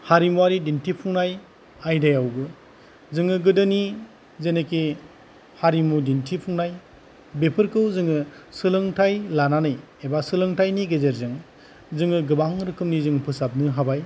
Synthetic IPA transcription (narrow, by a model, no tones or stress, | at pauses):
haɾimuwaɾidintʰipʰuŋnaj | ajdajawɡɯ | zɯŋɯɡɯdɯni | zeneki | haɾimudintʰipʰuŋnaj | bepʰɯɾkʰɯwzɯŋɯsɯlɯŋtʰajlananɯj | ebasɯlɯŋtʰajniɡezeɾzɯŋ | zɯŋɯɡɯbaŋɾɯkʰɯmnizɯŋpʰɯsap̚nɯɦabaj